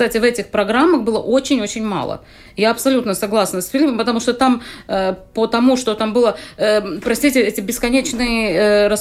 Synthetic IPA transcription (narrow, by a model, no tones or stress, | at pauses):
t̪atʲɪvɛtʲɪxpɾɐɡɾamːəxbɨlˠə̰ʔot͡ɕɪnʲo̞t͡ɕɪnʲma̰lˠə̰ | jaɐpsɐlʲut̪nəsɐɡlˠasnəsfʲɪlʲipəmpət̪ɐmuʂt̪ot̪aməpət̪ɐmuʂt̪o̞t̪ambɨlˠəəpɾɐsʲtʲitʲɪɛtʲɪbʲɪskɐnʲet͡ɕnɨjəɾɐs